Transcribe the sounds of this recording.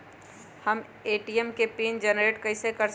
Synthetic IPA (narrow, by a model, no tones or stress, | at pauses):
hɐm | eːʈijɛmkepiːnd͡ʒɛnɾeːʈkɐɪsekɐɾs